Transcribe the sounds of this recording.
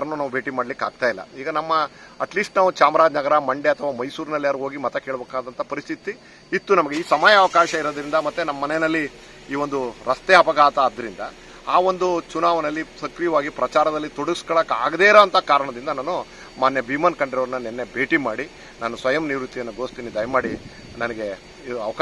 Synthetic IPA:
ɐɾɐnːunaːʋubʱe̞ːʈimaːɽlikːa̰ːɡ̚t̪aːjlːɐ̰iːɡɐnɐmːɐɐʈliːsʈnaːʋut͡ʃaːmɾaːd͡ʒnɐɡɐɾɐmɐɳɖeɐt̪ʰɐʋaːmɐjsuːɾinɐlːiaːɾuɦoːɡimɐt̪ɐke̞ːɭbeːkaːd̪ɐnt̪ʰɐpɐɾist̪ʰit̪i | it̪ːunɐmɐɡeiːsɐmaːjɐːʋɐkaːʃɐiɾoːd̪ɐɾind̪ɐmɐt̪ːunɐmːɐːɐnɛnɐlːi | iːʋond̪uɾɐst̪eɦɐpɐɡaːt̪ɐːd̪ːɐɾind̪ɐ̰ | aːʋo̞nd̪ut͡ʃunaːʋɐnɐlːisɐkɾijɐʋaːɡipɾɐt͡ʃaːɾɐd̪ɐlːit̪oɽuiskɐɭɐkaːɡd̪eːɾoːɐnt̪ɐkaːɾɐɳɐd̪ind̪ɐnaːnu | maːnjɐbimɐnkɐɳɖiɾoʋɐɾɐnːɐnɛnːe̞beːʈimaːɽi | naːnusʋɐjɐmniʋɾut̪ːijɐnːuɡo̞ːst̪iːnid̪ɐjmaːɽi | nɐnɐɡe̞ | iɐʋɐk

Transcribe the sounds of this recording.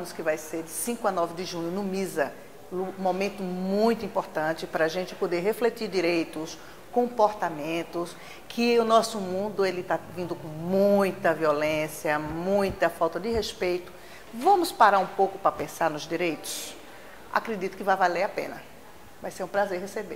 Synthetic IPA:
mʊskɪvajseɾd͡ʒɪsĩŋkʊanɔvɪd̪ɪʒũɲʊnʊmizɐ | lʊmõmẽnt̪ʊmũj̃t̪ʊĩmpoɾt̪ɐ̃t͡ʃ̪ɪpɾɐaʒẽnt͡ʃ̪ɪ̥pod̪eɾɦeflet̪iɾd̪iɾejt̪ʊs | kõpoɾt̪amẽnt̪ʊs | kʰɪʊnɔsʊmũnd̪ʊelɪt̪avĩnd̪ʊkõmũj̃t̪ɐviolẽsjɐmũj̃t̪ɐfawt̪ɐd̪ɪɦespejt̪ʊ̥ | vɐ̃mʊspaɾaɾũpowkʊpɾɐpẽsaɾnʊzd̪iɾejt̪ʊ̥s | a̰kɾed̪it̪ʊ̥kɪvajvaleɾapḛ̃nɐ | vajseɾũpɾazeɾɦesebḛɾ

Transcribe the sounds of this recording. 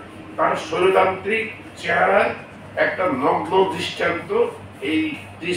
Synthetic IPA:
t̪aɾsoɾok̪ant̪ɾik̚ | t͡ɕeɦaɾa | ɛk̚ʈanɔɡlod̪ɾiʃʈʰant̪o | ej | d̪ɾi

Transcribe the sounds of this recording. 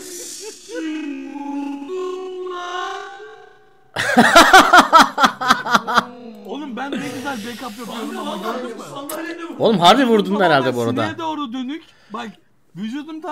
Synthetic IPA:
olˠumbænbeɡʲyzælʲd͡ʒejkʰapjopomoaɡøɾd̪y | olˠumɦaɾbivuɾd̪unheɾalʲd̪ɛbuoɾad̪a̰d̪oːɾud̪ønyc | bak | vyd͡ʒud̪umt̪ʰ

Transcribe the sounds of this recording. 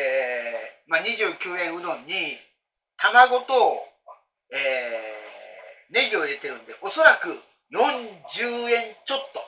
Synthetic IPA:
e | maɲ̟iʑɨːkʲɨːẽɰ̃ɯ̟d̪õ̞ɲ̟ːi | t̪amaɡo̞t̪o̞ | eː | ne̞ɡʲio̞iɾe̞t̪e̞ɾɯ̟̃nd̪eʔo̞so̞ɾakɯ̟ | jõ̞ɲd͡ʑɨːẽ̞ɲt͡ɕo̞t̪ːo̞

